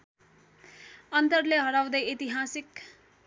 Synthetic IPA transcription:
ʌnt̪ʌrleɦʌɾaw̃d̪ʌjit̪iɦasik

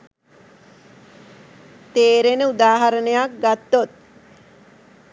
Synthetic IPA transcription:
t̪eːɾenəud̪aːɦaɾənəjak̚ɡat̪ːot̪̚

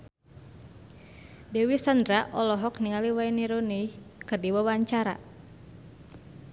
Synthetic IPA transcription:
dɛwisand̪ɾaʔɔlɔɦɔkniŋaliwainiɾonijkɨrdiwawaɲt͡ʃaɾa̰

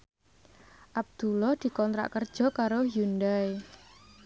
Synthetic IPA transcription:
ʔab̚d̪̥ulɔhd̪̥i̤kɔnt̪ɾa̰ʔkərd̥ʒ̥ɔ̤kaɾojundae

